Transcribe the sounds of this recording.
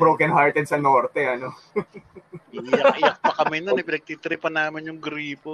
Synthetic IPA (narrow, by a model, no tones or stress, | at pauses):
bɾowkɐnhaɹt̪ɛd̪̚sɐnoːɾt̪ɛʔɐno | jɐkʔɪjɐk̚pɐkɐmɛnɐnɐpɪnɐɡ̚t̪iːt̪ɪɾɪpɐnaːmɪnjʊŋɡɾiːpo